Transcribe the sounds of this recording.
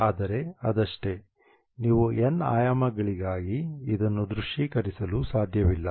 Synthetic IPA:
aːd̪ɐɾe̞ɐd̪ɐʂʈe̞ | niːʋuʔenːa̰ːjamɐɡɐɭiɡaːɡiːd̪ɐnːud̪ɾuʂiːkɐɾisɐlusaːd̪ʱjɐʋilːɐ

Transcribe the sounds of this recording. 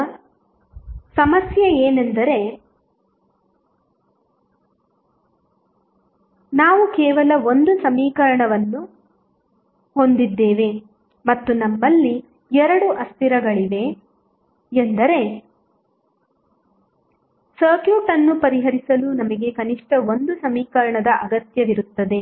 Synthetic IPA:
sɐmɐsjɐeːne̞nd̪ɐɾe̞ | naːʋukɛːʋɐlɐo̞nd̪usɐmiːkɐɾɐɳɐʋɐnːu | ho̞nd̪id̪ːeːʋe̞ | mɐt̪ːunɐmːɐlːi | ɛɾɐɽuʔɐst̪iɾɐɡɐɭiʋe̞ | nd̪ɐɾe̞ | sɐɾkjuːʈɐnːupɐɾiɦɐɾisɐlunɐmɐɡe̞kɐniʂʈɐo̞nd̪usɐmiːkɐɾɐɳɐd̪ɐʔɐɡɐt̪jɐʋiɾut̪ːɐd̪e̞

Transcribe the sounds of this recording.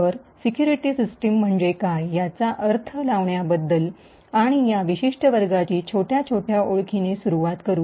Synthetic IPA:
əɾsikjuɾiʈisisʈim̤ːəɳd͡ʑekajːat͡saʔəɾt̪ʰəlaʋɳjabəd̪ːəl | aɽ̃ijaʋiɕiʂʈəʋəɾɡat͡ɕiːt͡ɕʰoʈjat͡ɕʰoʈʰjaʔoɭkʰinesuɾuʋat̪kəɾuː

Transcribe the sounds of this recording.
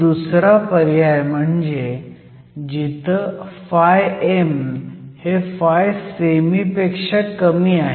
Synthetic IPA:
usɾapəɾjajm̤əɳd͡ze | d͡ʑit̪fajemhefajsemipekʂəʈkəmiːaɦe

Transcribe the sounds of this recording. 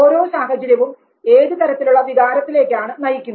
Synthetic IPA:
oːɾo̞ːsaːɦɐt͡ɕːɐɾjɐʋum | e̞ːðɨt̪ɐɾɐt̪ːiluɭːɐʋiɣaːɾɐt̪ːile̞ːkʲːaːɳɨnɐjikʲːunː

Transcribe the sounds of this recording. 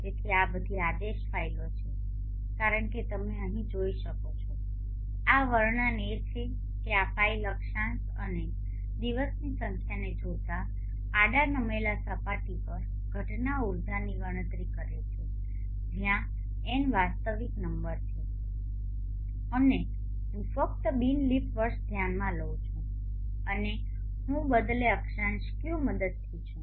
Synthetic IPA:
t̪et̪ʰiabəd̪ʱiad̪eʃfailot͡ʃʰe | kaɾəɳket̪əmeəɦĩd͡ʒoiʃəkot͡ʃʰɔ | aʋəɾɳənet͡ʃʰe | keapailəkʃãnt̪ | əne | d̪iʋəsnisəŋkʰjaned͡ʒot̪aː | ɽanəmelasəpaʈipəɾ | ɡʱəʈnauɾd̪ʱaniʋəɽ̃ə̃t̪ɾikəɾet͡ʃʰu | d͡ʒʱjã | enʋast̪əʋiknəmbəɾt̪ʰe | əne | ɦũfək̚t̪əbinlipʋəɾʃd̪ʱjanmãləwt͡ʃʰũ | əne | ɦũbəd̪leəkʃanʃkjuməd̪əd̪̚t̪ʰit͡ʃʰũ

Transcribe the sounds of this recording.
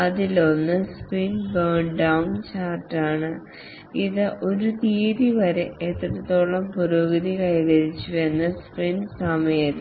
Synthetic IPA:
ɐðilo̞nːɨsprinbɐːɳɖɐwnt͡ɕaːrʈːaːɳɨ | iðɨʔo̞ɾut̪iːɾiʋɐɾeet̪ːrɐɽɐt̪ːo̞ːɭɐmpuɾoːɡɐðikɐjɣɐɾit͡ɕːue̞nːɐsprinsɐmɐjɐt̪

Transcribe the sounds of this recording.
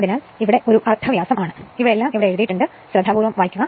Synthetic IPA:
ɐðinaːl | iʋiɽe̞ʔo̞ɾuʔɐrt̪ʰːɐʋjaːsɐmaːɳɨiʋiɽlːaːmiʋiɽe̞eɾuðijiʈːuɳɖɨ | ɕɾɐd̪ʱːaːbuːɾʋɐmʋaːjkʲːuɣɐ

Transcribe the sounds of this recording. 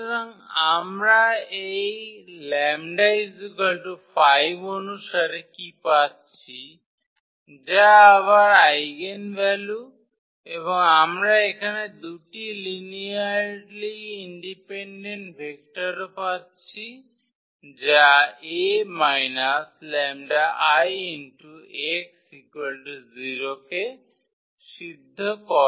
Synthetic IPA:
ɾəŋamɾae | lɛmɖajzɡəlʈupʰajʋonuʃəɾekipat̪̚t͡ʃʰi | d͡ʒaːʋaɾajɡenʋɛlju | ebɔŋamɾaekʰaned̪uʈiliniaɾɾliːɳɖipeɳɖeɳʈbʱek̚ʈaɾpat̪̚ | t͡ʃʰi | d͡ʒaemajnaslɛmɖaʔajinʈueksikelɖziɾoke | sid̪ʱːɔkɔ

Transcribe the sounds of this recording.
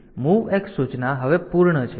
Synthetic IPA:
muʋeksut͡ʃnaɦəʋepuɾɳət͡ʃʰe

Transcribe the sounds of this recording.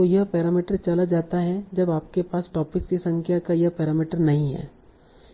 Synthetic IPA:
ojɐɦpɛːɾaːmiːʈəɾt͡ʃɐlad͡ʒaːt̪aɦɛd͡ʒɐbaːp̚kepaːsʈɔːpɪkskisɐ̃ŋkʰjakajɐɦpɛːɾaːmiːʈəɾnɐɦĩɦɛ̰ː

